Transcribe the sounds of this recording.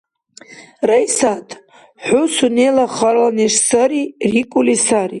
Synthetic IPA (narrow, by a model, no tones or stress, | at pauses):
rajsatʼ | ħʷʊsunelaχarlaneʂsaɾirikʷʼulisari